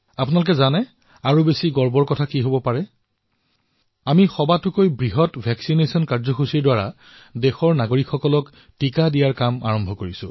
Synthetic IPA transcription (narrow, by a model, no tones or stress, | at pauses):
apʊnalʊkɛzanɛ | aɹubesiɡɔɹbɔɹkɔtʰakiɦobɔpaɹɛ | amixɔbatʊkojbɹiɦɔtbʱɛksinesɔnkaɹzɔxusiɹdwaɹa | dɛxɔɹnaɡoɹikxɔkɔlɔk | tikadijaɹkama̰ɹɔmbʱɔkoɹisʊ̰̃